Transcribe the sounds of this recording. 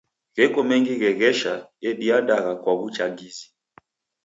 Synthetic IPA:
ɣɛkɔmɛŋɡiɣɛɣɛʃaɛɗiandaɣakwaβut͡ʃaɡizi

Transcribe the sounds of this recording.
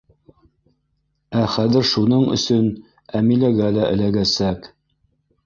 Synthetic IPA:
æχæðɘ̆ɾʃunɤɴɵ̰̆sɵn | æmilæɡælæʔɘ̰̆læɡæsæk

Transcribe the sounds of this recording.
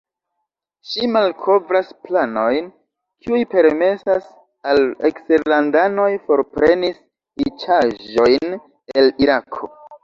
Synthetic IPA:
ʃimalkʰo̞vɾasplano̞jn | kʰiujpe̞ɾme̞sas | alḛksteɾlandano̞jfo̞ɾpɾe̞nis | it͡ʃaʒo̞jn | e̞liɾakʰo̞̰

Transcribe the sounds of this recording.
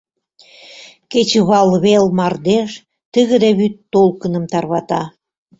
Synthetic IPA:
ket͡ɕəβɑlβelmɑrd̪eʃ | t̪əɣə̆d̪eβyt̪ːolkənə̆mt̪ɑrβɑt̪ɑ

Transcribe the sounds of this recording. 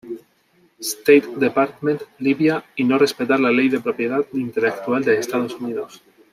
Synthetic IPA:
st̪ejt̪d̪epaɾt̪mẽnt̪liβjainorespet̪aɾlalejðepɾopjet̪at̪int̪elek̚t̪uald̪eːst̪aðosuniðos

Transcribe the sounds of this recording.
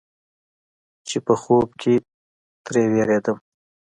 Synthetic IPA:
t͡ʃepəxobkʰe | t̪ɾeweɾed̪əm

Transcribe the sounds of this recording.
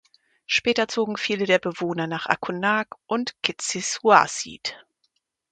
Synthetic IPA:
ʃpɛːtɐt͡soːɡŋ̩fiːlədeːɐbəvoːnɐnaːχʔa̰kʰunaːkʔʊntkɪt͡sisua̰sḭt

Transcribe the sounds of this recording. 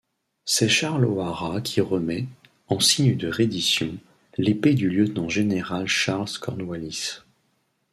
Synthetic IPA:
sɛʃaʁloaʁakʲʰiʁəmɛ | ɑ̃siɲd̪əʁed̪isjɔ̃ | leped̪yljət̪nɑ̃ʒeneʁalʃaʁlskɔʁnwalis

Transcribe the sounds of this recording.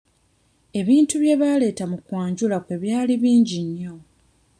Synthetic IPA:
e̞βiːntuβje̞βale̞ːtamukwaːɲɟulakwe̞βjaːliβiːɲɟiɲːo̞

